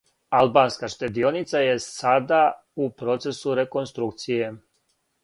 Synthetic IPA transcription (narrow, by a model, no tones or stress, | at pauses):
albanskaʃt̪ed̪io̞nit̪saje̞sad̪a | upɾo̞t̪se̞suɾe̞ko̞nst̪ɾuk̚t̪sije̞